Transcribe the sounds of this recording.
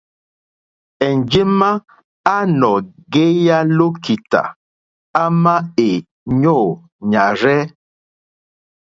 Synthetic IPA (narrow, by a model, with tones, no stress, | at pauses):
ɛ˨n˨d͡ʒe˦ma˦ | a˦nɔ˨ɡe˦ja˦lo˦ki˨ta̰˨ | a˦ma˦e˨ | ɲɔ˦˨ | ɲa˨ɾɛ˦